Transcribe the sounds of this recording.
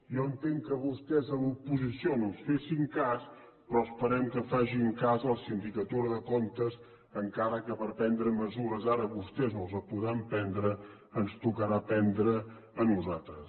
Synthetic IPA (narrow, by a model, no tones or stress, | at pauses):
jɔənt̪eŋkəβust̪ɛzəlupuzisionõnsfesiŋkas | pɾɔəspəɾɛmkəfaʒiŋkazəlˠsind̪ikət̪uɾəðəkont̪əz | əŋkaɾəkəpəɾpɛnd̪ɾəməzuɾəzaɾəβust̪ɛznolˠzəpuðɾampɛnd̪ɾəː | nst̪ukəɾapɛnd̪ɾəː | nuzat̪ɾəs